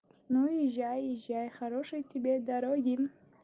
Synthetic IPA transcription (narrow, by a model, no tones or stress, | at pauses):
nujiʒajiʒajχaɾoʃɨjt̪ʰibed̪aɾoɡʲin